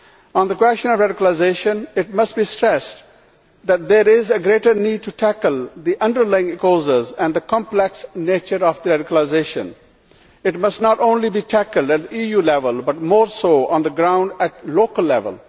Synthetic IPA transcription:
ɔ̃nd̪əkwɛst͡ʃə̃nɔʋɾæɖɪkəlaɪzeʃə̃nɪʈ̚mʌsʈbisʈɾɛs | d̪æʈ̚d̪eːɾɪzəɡɾeːʈəɾniːɖ̚ʈuʈʰækəlˠd̪iʔʌ̃nɖəɾlaɪɪ̃ŋɪkoːzəzɛ̃nɖd̪əkɑ̃mplɛksneːt͡ʃəɾɔfd̪əɾæɖɪkəlaɪzeːʃə̰̃n | ɪʈmʌsʈnɔʈõːnlibiːʈʰækəlɖæʈ̚d̪iːjuːlɛʋəlbʌʈmɔːɾsoːʔɔ̃nd̪əɡɾãʊ̃ɳɖæʈ̚loːkəlːɛʋə̰l

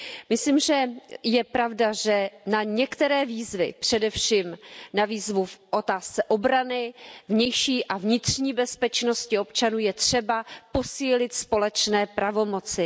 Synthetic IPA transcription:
mɪsliːmʒɛjɛpɾavdaʒɛnaɲɛkt̪ɛɾɛːviːzvɪpr̝̥ɛdɛfʃiːmnaviːzvufʔo̞t̪aːst͡sɛʔobɾanɪvɲɛjʃiːʔavɲɪt̪r̥ɲiːbɛspɛt͡ʃno̞scɪo̞pt͡ʃanuːjɛt̪r̝̥ɛbapo̞siːlɪt̪spo̞lɛt͡ʃnɛːpɾavo̞mo̞t͡sɪ

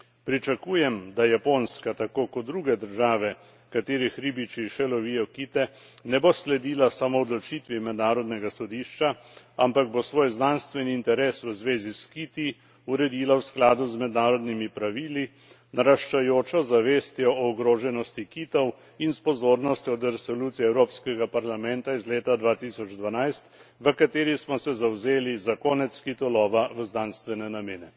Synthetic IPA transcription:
pɾit͡ʃakuːjɛmd̪ajaponskat̪akoːkɔt̪̚d̪ɾuːɡɛd̪əɾʒaːʋɛ | kat̪eːɾixɾiːbit͡ʃiʃɛlɔʋiːjɔkiːt̪ɛ | nɛboslɛd̪iːlasamoɔd̪lɔt͡ʃit̪ʋimɛd̪naːɾɔd̪nɛɡasɔd̪iːʃt͡ʃa | ampaɡ̚bosʋoːjznaːnst̪ʋɛniːnt̪ɛɾesʋəzʋeːziskit̪i | uɾɛd̪iːlawsklaːd̪uzmɛd̪naːɾɔd̪nimipɾaʋiːli | naɾaʃt͡ʃajoːt͡ʃɔzaʋeːst̪jɔɔɔɡɾoːʒɛnɔst̪ikiːt̪ɔw | inspɔzoːɾnɔst̪jɔd̪ɛɾɛsɔluːt̪siɛwɾoːpskɛɡapaɾlamɛnt̪aizleːt̪ad̪ʋaːt̪isɔd͡ʒd̪ʋanajst̪ | ʋəkat̪eːɾismɔsɛzawzeːlizakoːnɛt̪skit̪ɔlɔːʋaʋəznanst̪ʋɛnɛnameːnɛ

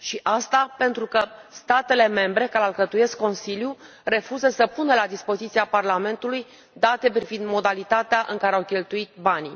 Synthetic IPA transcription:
ʃiʔast̪ape̞nt̪ɾukəst̪at̪e̞le̞me̞mbɾe̞kaɾalkət̪uje̞skːo̞nsilju | re̞fuzəsəpunəlad̪ispo̞zit̪siaparlame̞nt̪uluj | d̪at̪e̞pɾivind̪mo̞d̪alit̪at̪eaʔɨŋkaɾeawkʲe̞lt̪uit̪̚bani

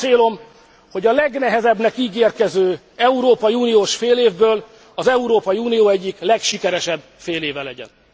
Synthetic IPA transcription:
eːlo̞m | ho̞ɟɒlɛɡnɛɦɛzɛbnɛkiːɡeːrkɛzøː | ɛuɾoːpɒjiuːnijoːʃfeːleːvbøːl | ɒzɛuɾoːpɒjiuːnijoːɛɟːiklɛkʃikɛɾɛʃɛbːfeːleːvɛlɛɟɛ̰n

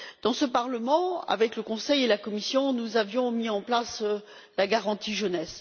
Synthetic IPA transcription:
d̪̥ɑ̃səpaʁləmɑ̃a̰vɛkləkɔ̃sɛjelakɔmisjɔ̃nuzavjɔ̃miɑ̃plas | laɡaʁɑ̃t̪iʒənɛs

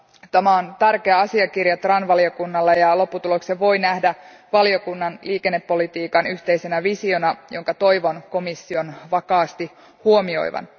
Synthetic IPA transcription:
t̪æmæont̪ærkeɑɑsiɑkirjɑt̪rɑnʋɑlio̞kunːɑlːejɑlo̞pːut̪ulokseʋʋo̞jnæhdæ | ʋɑlio̞kunːɑnliːkenːe̞pːo̞lit̪iːkɑnyçt̪e̞ijsenæʋisio̞nɑjo̞ŋkɑt̪o̞jʋonko̞misːio̞nʋɑkɑːst̪i | huomio̞̰jʋɑ̰n

